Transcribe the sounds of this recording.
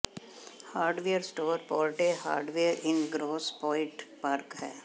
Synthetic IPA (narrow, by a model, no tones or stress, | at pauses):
haːɾɖʋeəɾsʈoːɾpɔːɾʈeha̰ːɾɖʋeəɾʔɪ̃nɡɾoːspɔːɪ̃ʈpaːɾkhɛː